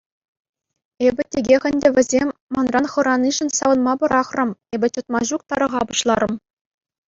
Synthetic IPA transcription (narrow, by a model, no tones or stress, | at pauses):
ebʲɘ̆tʲeɡʲexʲɘ̆nʲdʲɘ̆ʋʲɘ̆zʲemʲːɑnrɑnχɤ̆ɾɑnʲiʐɘ̆nsɑʋɤ̆nmɑbɤ̆ɾɑχrɤ̆mebʲɘ̆t͡ɕɤ̆t̪mɑʑuk̚t̪ɑɾɤ̆ʁɑbɤɕlˠɑɾɤ̆m